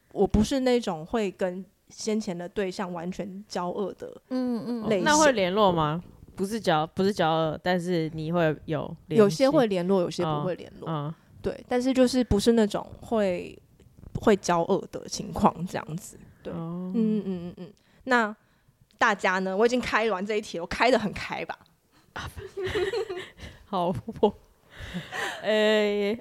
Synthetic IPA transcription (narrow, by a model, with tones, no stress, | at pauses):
wʔɔ˨˩pu˧˥ʂɻ̩˥˧na˥˩˥ʈ͡ʂʊ˨˩ŋxwe˥˩ɪkə˦˥n | ɕjɛ˥nt͡ɕʰjɛ˧˥nd̪ə˨t̪we˥˧ɪɕjɑ˥˩ŋwa̰˧˦nt͡ɕʰɥɛ˧˦nt͡ɕjɑ˥ʊʔə˥˩d̪̥ə̰˩˥˩le˥˩ɪna˥˧xwe˥˩ɪljɛ˧˥nlwɔ˥˩ma˨pu˧˦ʂ̬ɻ̩˥˩t͡ɕjɑ˥ʊpu˧˦ʂɻ̩˥˩t͡ɕjɑ˥ʊə˥˩t̪a˥˧nʂɻ̩˥˩ni˨˩xwe˥˩ɪjo˨˩ʊljjo˨˩ʊɕjɛ˥xwe˥˩ɪljɛ˧˥nlwɔ˥˩jo˨˩ʊɕjɛ˦˥pu˧xwe˥˩ɪljɛ̰˧˦nlw̰ | t̪we˥˩ɪt̪a˥˧nʂ̬ɻ̩˥˧t͡ɕjo˥˧ʊʂɻ̩˥˩pu˧˥ʂɻ̩˥˧na˥˩ʈ͡ʂʊ̰˨˩ŋxwe˥˩ɪ | xwe˥˩ɪt͡ɕjɑ˥ʊʔə˥˩d̪ə̰˨t͡ɕʰi˧˥ŋkʰwɑ̰˥˩ŋʈ͡ʂɤ˥˧jɑ̰˥˩ŋd͡zɹ̩˨˩t̪we˥˩ɪ˩n̩˥˩˥n̩˥˩˥ | na˥˩ | t̪a˥˩t͡ɕja˥nə˨wɔ˩i˨˩t͡ɕi˥ŋkʰa˥ɪ˧lwa˧˦nt͡sa˧i˥˩t̪ʰi˨˩wɔ˨˩kʰa˥ɪd̪ə˨xə˨˩nkʰa˥ɪba̰˨ | hɑ˨˩˦p | e˥